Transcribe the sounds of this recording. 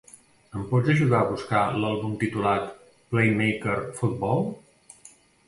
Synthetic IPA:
əmpɔd͡zəʒuðaəβuskalalˠβumt̪it̪ulat̪ | plejmejkəɾfud̪̚bɔlˠ

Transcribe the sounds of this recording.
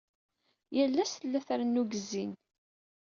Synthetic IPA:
jælːæsθəlːæθɾnːuɡəzːin

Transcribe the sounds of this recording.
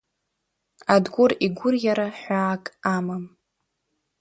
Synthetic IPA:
adɡʷʊriɡʷʊrjaɾaħʷaːkʼamam

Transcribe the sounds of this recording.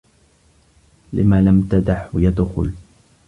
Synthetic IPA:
lɪ̰maːlamt̪ad̪aħjad̪xʊ̰l

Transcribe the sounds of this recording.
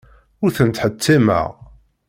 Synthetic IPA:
ʊɾθənt̪ħət̪ʰːimæ̰ʁ

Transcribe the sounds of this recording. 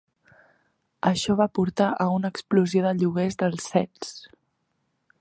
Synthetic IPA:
əʃɔβapuɾt̪aʔəunəkspluzijoðəʎuɣezðəlˠsfɛs

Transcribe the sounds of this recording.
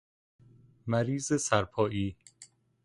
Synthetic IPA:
mæɾiːzesæɾpʰɒːʔiː

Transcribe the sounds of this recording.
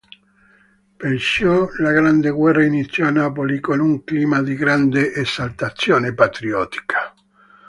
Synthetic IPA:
pensjɔlaɣɾand̪eɣwɛrːainit̪sːjɔanap̬olikonuŋkliːmad̪iɡɾand̪eʔesalt̪at̪sjoːnepat̪ɾiɔt̪i̥kʰḁ

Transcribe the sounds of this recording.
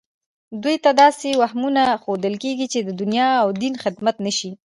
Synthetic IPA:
d̪ujt̪ad̪ɑsewahmunaxod̪əlkeɡit͡ʃed̪əd̪ʊnjɑːwd̪inxɪd̪mat̪nəʃi

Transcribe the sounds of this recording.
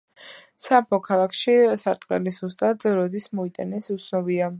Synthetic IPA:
sapʰɔkʰalˠakʰʃisaɾt̪ʼqʼɛ̰lizust̪ʼad̪ɾɔd̪ismɔit̪ʼanɛsut̪sʰnɔbia

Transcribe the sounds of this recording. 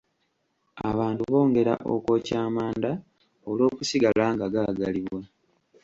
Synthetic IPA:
a̰βaːntuβo̞ːŋɡe̞ɾa̰ʔokwo̞ːcaːmaːnda | o̞lo̞ːkusiɡalaːŋɡaɡaɡaliβwa

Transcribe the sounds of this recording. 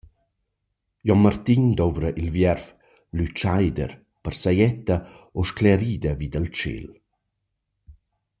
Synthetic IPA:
jɔnmart̪iɲd̪ovɾəʔilvjɛrf | lyt͡ʃajd̪ə̰ɾ | pərsajɛt̪ːaoʃklɛɾiːd̪əviːd̪əlt͡ʃḛl

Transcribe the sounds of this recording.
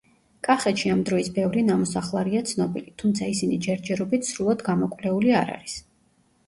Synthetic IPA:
kʼaχɛt̪ʃiamd̪ɾɔisbɛvɾinamɔsaχlˠaɾiat̪sʰnɔbilit̪ʰumt̪sʰaisinid͡ʒɛɾd͡ʒɛɾɔbit̪ʰsɾulˠad̪ɡamɔkʼwvlɛuliaɾa̰ɾis

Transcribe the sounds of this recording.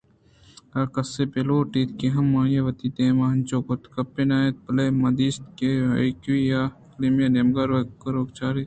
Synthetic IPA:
ɐkɐsepeloːʈiːt̪keɦɐmːaːnjeʋɐt̪iːt̪ẽːmaɐnt͡ʃoːkot̪kɐpːenaːet̪̚pɐlemɐd̪iːst̪keɐ̰ikʋijaklimjɐnemɡaɾokɾoːkt͡ʃaːɾi

